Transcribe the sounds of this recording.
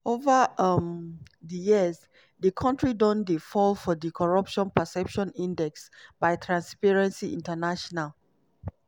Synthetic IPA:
ovəmdəjiəz | dəkʰɔ̃ntɹidɔ̃ndifɔlfɔdikʰɔɹɔpʃɔ̃npəsɛpʃɔ̃nĩndɛksbaɪtʰɹãnspɛɹɛ̃nsiʔĩntənaʃɔnal

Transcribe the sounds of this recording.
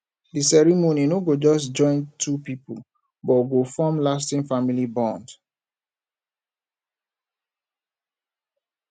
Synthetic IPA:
disɛɹimoninoɡod͡ʒɔsd͡ʒɔ̃ɪ̃ntʰupipu | bɔɡofɔmlas̬tĩŋfamilibɔ̃nd

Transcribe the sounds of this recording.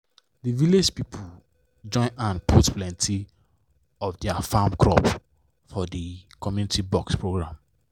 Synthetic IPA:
diviled͡ʒpipʰu | d͡ʒɔ̃ɪ̃nãnpʰutplɛ̃ntʰi | ɔfdɛafamkɹɔ̰p | fɔdikɔmjunitibɔkspɹoɡɹãm

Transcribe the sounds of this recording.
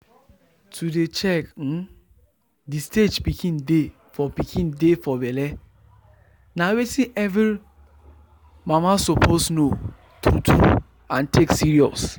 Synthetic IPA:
tʰudet͡ʃɛk̩ | disted͡ʒpikʰĩnde | fɔpikʰĩndefɔbɛlɛ | nawetĩʔɛvi | mamasopʰosno | tutʰu | ãntʰeksiɹiɔ̰s

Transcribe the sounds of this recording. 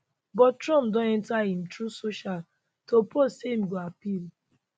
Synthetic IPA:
bɔttɹɔ̃mpdɔ̃nɛ̃ntahĩm̩tɹusoʃal | tʰoposeim̩ɡoapil

